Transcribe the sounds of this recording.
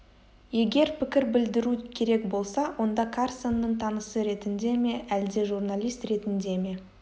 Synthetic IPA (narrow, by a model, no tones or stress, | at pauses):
je̞ɡʲe̞ɾpʰɪkʲɪɾbɪld̪ɪɾukʲʰe̞ɾe̞kbo̞lˠsɑwʔo̞nd̪ɑkʰarsonːəɴt̪ʰɑnəsəɾe̞t̪ɪnd̪e̞me̞ʔæld̪e̞ʒurnalʲˠijst̪ɾe̞t̪ɪnd̪e̞me̞